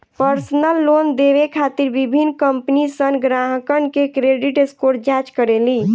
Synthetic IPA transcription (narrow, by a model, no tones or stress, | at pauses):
pəɾsnəlːond̪eʋekʰat̪iɾbibʱinːkəmpnisənɡɾaɦkənkekɾeɖiʈeskoɾd͡ʒat͡ʃkəɾeli